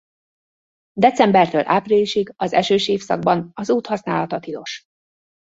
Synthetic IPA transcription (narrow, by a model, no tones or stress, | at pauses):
d̪ɛt͡sɛmbɛrt̪øːlʔa̰ːpriːliʃiɡɒzɛ̰ʃøːʃeːfsɒ̰ɡ̚bɒnɒzuːt̪hɒsna̰ːlɒt̪ɒt̪ilo̞ʃ